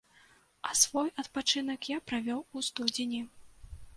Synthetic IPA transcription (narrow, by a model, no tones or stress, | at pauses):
ɐsvɔjɐt̪pat͡ʂɨn̪ɐkjapɾavʲɔwust̪ud͡zʲinʲi